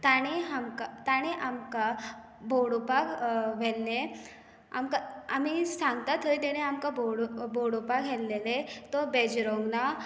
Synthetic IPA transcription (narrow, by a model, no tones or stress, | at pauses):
t̪aɽ̃eɦamkat̪aɽ̃eʔamka | bʱoɽopakʋɛlːe | a̰mkaamisaŋɡt̪at̪ʰəjt̪ɛɽ̃eamkabɔɽbʱoɽɔpaɡʱɛlːelet̪ɔbɛd͡ʑɾɔŋɡna